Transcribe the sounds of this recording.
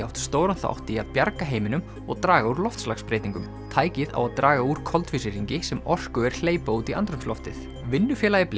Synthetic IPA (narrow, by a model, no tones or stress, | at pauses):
awht̪st̪oːwɾanθa̰wht̪iaðpjaɾkaɦeːjmɪnʏm | ɔ̰ɣt̪ɾaːɣauɾlɔft̪sla̰xspɾejt̪iŋkʏm | t̪ʰaːjcɪða̰waðt̪ɾʔaːɣauɾ̥kʰɔlt̪fɪsɪɾiɲcɪsɛmɔr̥kʏɛɾ̥l̥eːjpaut̪ia̰nt̪ɾʏmslɔft̪ɪθ | vɪnːʏfjɛːlajɪpl